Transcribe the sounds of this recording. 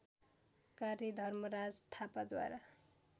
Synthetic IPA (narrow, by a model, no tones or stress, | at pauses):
kaɾid̪ʱʌrmʌɾad͡zt̪ʰapad̪wa̰ɾa